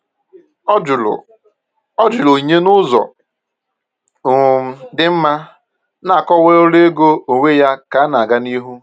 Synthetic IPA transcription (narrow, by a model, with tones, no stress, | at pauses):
l̰ | ɔ˦d͡ʒʊ˨lo˨i˨ɲe˦nʊ˦zɔ̰˨ | m̩˦dɪ˦m̩˦ma˦ | na˦˨a˨kɔ˦we˦o˦le˦ɡo˦o˨ŋʷe˦ja˦ka˨˦na˨ɡa˦ni˦ɦu˦